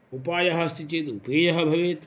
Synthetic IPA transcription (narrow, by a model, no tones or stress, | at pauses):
upaːjɐɦɐst̪it͡ʃeːt̪upeːjɐɦɐbʱɐʋeːt̪